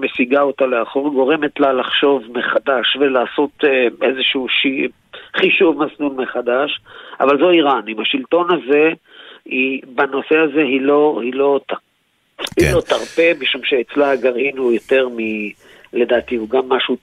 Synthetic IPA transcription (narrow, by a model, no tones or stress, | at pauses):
mesiɡaot̪aleaχoʁɡo̞ʁemetlalaχʃo̞vmeχad̪aʃve̞laːso̞t̪ezeʃuuʃi | χiʃuvmaslulmeχad̪aʃa̰valzo̞iʁanimaʃilt̪o̞naze̞ | ibano̞se̞aze̞ɦilohilo̞t | hilo̞t̪aʁpemiʃumʃeet͡slaaɡaʁhinhujot̪e̞ʁmi | le̞d̪aːt̪iuɡamːaʃu